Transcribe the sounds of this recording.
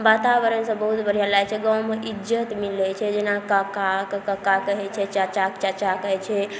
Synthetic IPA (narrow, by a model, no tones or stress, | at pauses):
bat̪abəɾənsə̃bəɦut̪bəɾ̤ijalajt͡ʃʰɛɡãwmeʔid͡ʒət̪milɛt͡ʃʰɛd͡ʒenakakakekəkakəɦɛt͡ʃʰɛt͡ʃat͡ʃakt͡ʃat͡ʃakəɦɛt͡ʃʰɛ